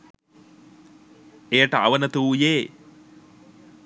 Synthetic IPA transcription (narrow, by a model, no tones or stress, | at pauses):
ejəʈəaʋənət̪uːjeː